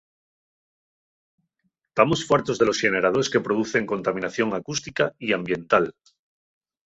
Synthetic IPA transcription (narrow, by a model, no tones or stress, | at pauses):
t̪amo̞sfwaɾt̪o̞zðe̞lo̞sxe̞ne̞ɾað̞o̞ɾe̞ske̞pɾo̞ðuθe̞ŋko̞nt̪amĩnaθjo̞ŋakust̪ikaiambje̞nt̪al